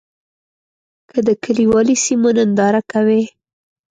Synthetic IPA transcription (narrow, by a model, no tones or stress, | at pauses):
kʰəd̪əkəliwɑlisimonənd̪ɑɾakawe